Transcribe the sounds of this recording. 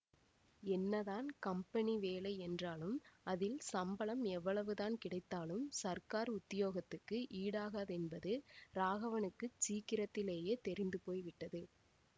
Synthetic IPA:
ɛnːɐðaːnkɐmpɐniʋeːlɐɪɛndraːlɯmɐðɪlsɐmbɐɭɐmɛʋːɐɭɐʋɯðaːnkɪɽɐɪt̪ːaːlɯmsɐɾkaːɾʊt̪ːɪjoːɣɐt̪ːɯkːɯʔiːɽaːɣɐðɛnbɐðɯɾaːɣɐʋɐnɯkːɯt͡ʃiːkːɪɾɐt̪ːɪleːjeːt̪ɛɾɪnd̪ɯpoːjʋɪʈːɐðɯ

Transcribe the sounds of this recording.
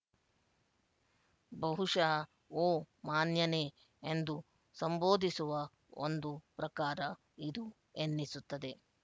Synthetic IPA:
bɐɦuʂɐɐ | oː | maːnjɐne | end̪u | sɐmboːd̪ʱisuʋɐ | o̰nd̪upɾɐkaːɾɐ | id̪u | enːisut̪ːɐd̪e̞

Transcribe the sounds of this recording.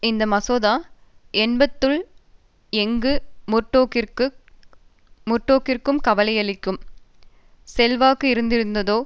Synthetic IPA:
ɪnd̪ɐmɐsoːðaːɛnbɐt̪ːɯɭ | ɛŋɡɯmʊʈːoːkɪɾkɯ | mʊʈːoːkɪrkɯmkɐʋɐlɪjɐɭɪkːɯm | sɛlʋaːkɯɪɾɯnd̪ɪɾɯnd̪ɐðoː

